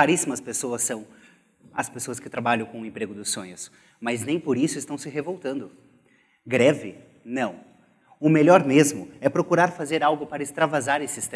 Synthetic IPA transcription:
aɾisimɐspesoɐsːɐ̃w̃ | ɐspesoɐskɪt̪ɾabaʎɐ̃w̃kõʊẽmpɾeɡʊd̪ʊsːõɲʊs | mɐznẽj̃poɾisʊɪst̪ɐ̃w̃sɪɦevowt̪ɐ̃nd̪ʊ | ɡɾɛvɪ | nɐ̃w̃ | ʊmeʎɔɾmezmʊɛpɾokuɾaɾfazeɾawɡʊpaɾɐɪst̪ɾavazaɾesɪst̪

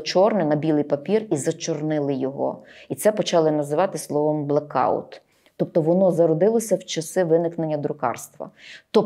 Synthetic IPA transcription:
t͡ʃɔrnɪnɐbʲilˠɪjpɐpʲirizɐt͡ʃɔrnɪlˠɪjɔɦɔ̰it̪sɛpɔt͡ʃɑlˠɪnɐzɪʋɑt̪ɪslˠɔʋɔmblˠɐkɑ̰ʊ̰t̪ː | ɔp̚t̪ɔʋɔnɔzɐɾɔd̪ɪlˠɔsʲɐwt͡ʃɐsɪʋɪnɪknenʲːɐd̪ɾʊkɑ̰rst̪ʋɐ̰t̪ɔ

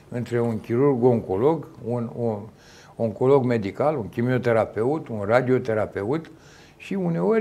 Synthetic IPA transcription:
ɨnt̪ɾe̞unkʲiɾurɡoŋko̞lo̞ɡunu | oŋko̞lo̞ɡme̞d̪ikaluŋkʲimio̞t̪e̞ɾape̞ut̪unrad̪io̞t̪e̞ɾape̞ut̪ | ʃiune̞oɾʲ

